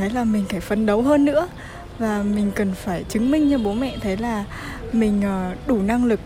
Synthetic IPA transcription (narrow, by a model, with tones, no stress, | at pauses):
ə˨˦jlaː˨˩mï˨˩ŋ̟kaː˧˩jfə˨˩nɗə˨˦wɦəː˧nːɨ̰˧˥ə | vaː˨˩mï˨˩ŋ̟kə˨˩nfaː˧˩jt͡ɕɨ˨˦ŋmï˧˩ŋ̟t͡ɕɔ˧ɓo˨˦mɛ̰˧˨t̪ʰə˨˦jlaː˨˩ | mï˨˩ŋ̟ʔəː˨˩ɗu˧˩na˧ŋlɨ˨˩k̚